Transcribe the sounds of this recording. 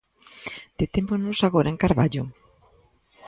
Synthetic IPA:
d̪̥et̪emonosaɣoɾʔaeŋkaɾβaʎo

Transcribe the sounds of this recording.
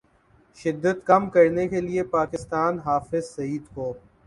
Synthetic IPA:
ʃɪd̪ːət̪kɐmkɐɾnekeliepaːkɪst̪aːnɦaːfɪzsɐiːd̪koː

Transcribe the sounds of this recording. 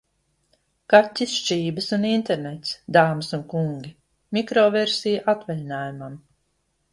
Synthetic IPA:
katʲːisʃt͡ʃiːbəsunint̪eɾnet̪sd̪aːmsunkuŋɡʲi | mʲikɾɔːveɾsijaʔat̪vɛlʲinaːjumam

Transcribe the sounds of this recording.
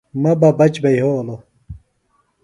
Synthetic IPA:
mɐbɐbɐt͡ɕbɐjɦolo

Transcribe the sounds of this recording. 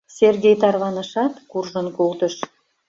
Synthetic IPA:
sʲerɡʲejt̪ɑrβɑnəʃɑt̪kurʒənkolˠt̪əʃ

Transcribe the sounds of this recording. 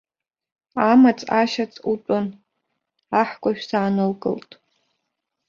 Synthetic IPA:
amat͡sʼaʃat͡sʼut͡pʷʼan | aħkʷʼaʃᶣsaːnɨlkʼɨ̰ltʼ

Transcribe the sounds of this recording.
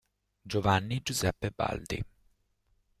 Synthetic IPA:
d͡ʒovanːid͡ʒuzɛpːeba̰ld̪ḭ

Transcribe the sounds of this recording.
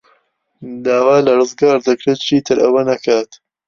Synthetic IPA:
d̪aːwaːlɐrɨzɡaːɾd̪ɐkɾeːt̪̚t͡ʃʰiːt̪ʰɨɾɐwɐnɐkʰaːt̪

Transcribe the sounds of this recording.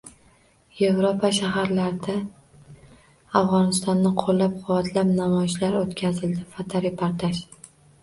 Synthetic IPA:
je̞vɾopʰaʃaɦaɾlaɾd̪a | afʁɒnɪst̪ɒnːɪqʰolːap̚qʰʊwat̪ʰlapnamɒjɪʃlaɾot̪kʲʰazɪld̪ɪfat̪ʰaɾɪpʰaɾt̪ʰaʃ

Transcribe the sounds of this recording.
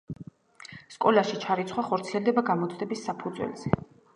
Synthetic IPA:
skʼɔlaʃit͡ʃʰaɾit̪sʰχwaχɔɾt̪sʰiɛlˠd̪ɛbaɡamɔt̪sʰʼd̪ɛbisːapʰud̪zwɛ̰lz̥ɛ

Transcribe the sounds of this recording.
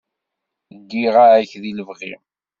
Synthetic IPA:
ɡːiʁaʕæçðiləvʁim

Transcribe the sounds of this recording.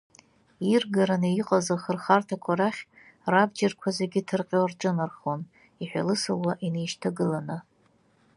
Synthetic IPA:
irɡaɾaneiqʼazaχərχartʰakʷʰaɾaχʲ | rabd͡ʒarkʷʰazeɡʲɪtʰɨrqʲʼorʈ͡ʂʼɨnarχon | iħʷᶣa̰lɨsalwaʔinejʃtʰaɡɨlanɨ

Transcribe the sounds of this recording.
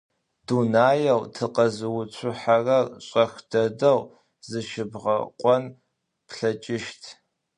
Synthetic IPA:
d̥unaːjɐwtʰɨqɐzɨwʊt͡ɕʷʰʊħarɐɕʼɐxdɐdɐw | zɨʃɪbʁɐ̰qʷʼɔn | pɬɐt͡ʃʼɪʃtʰ

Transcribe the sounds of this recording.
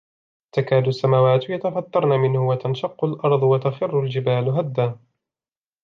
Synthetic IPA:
t̪akaːd̪ʊsːamaːwaːt̪jat̪afɑt̪ˤːɑɾˤnamɪnhʊwat̪anʃɑqːʊlʔɑɾˤd̪ˤwat̪axɪrːʊld͡ʒɪbaːlɦad̪ːa

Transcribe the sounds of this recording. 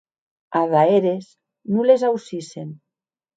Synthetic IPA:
aðaeɾez | nulezawsisen

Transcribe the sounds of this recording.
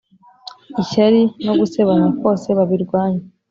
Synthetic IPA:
iʃaɾino̞ɡuse̞βanako̞ːse̞βaβiɾɡwaːɲe

